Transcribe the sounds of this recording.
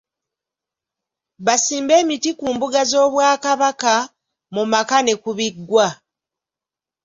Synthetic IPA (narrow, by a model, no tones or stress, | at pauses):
βasiːmbe̞ːmitikuːmbuɡazo̞ːβwaːkaβaka | mumakane̞kuβiɡːwa